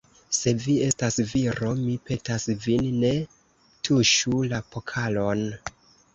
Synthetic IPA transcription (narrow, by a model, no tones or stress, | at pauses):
se̞vie̞stasviɾo̞mipʰe̞tasvinːe̞ | tʰuʃulapo̞kʰalo̞n